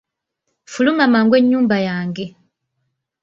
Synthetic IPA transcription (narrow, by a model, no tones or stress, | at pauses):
fulumamaŋɡwe̞ɲːuːmbajaːŋɡe